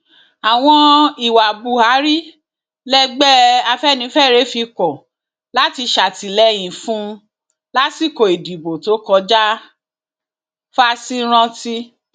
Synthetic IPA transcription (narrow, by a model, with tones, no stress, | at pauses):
a˨w̃ɔ̃˧i˨wa˨bu˨ha˨˦ɾi˦ | lɛ˦ɡ͡bɛ˦a˧fɛ˦˨nĩ˨˧˦fɛ˦˨ɾe˦fi˧kɔ˨ | la˦ti˧ʃa˨ti˨lɛ˦j̃ĩ˨fũ˦˧ | la˦ti˦˨ko˨e˨di˨bo˨to˨˦kɔ˧˦d͡ʒa˦ | fa˧si˦ɾ̃ã˧ti˦